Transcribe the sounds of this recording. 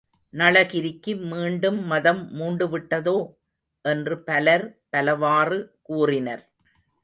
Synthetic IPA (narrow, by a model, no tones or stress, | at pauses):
nɐɭɐɣɪɾɪkːɯmiːɳɖɯmːɐðɐmːuːɳɖɯʋɪʈːɐðoː | ʔɛndrɯpɐlɐɾpɐlɐʋaːrɯkuːrɪnɐɾ